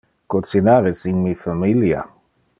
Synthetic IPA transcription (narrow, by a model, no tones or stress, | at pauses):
kosinaɾesiŋmifamilja̰